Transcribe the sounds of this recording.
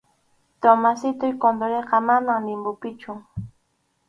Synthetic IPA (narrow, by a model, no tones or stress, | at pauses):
t̪omasɪt̪ʊjkond̪oɾeqɑmamaŋlɪmbʊpɪt͡ʃʊ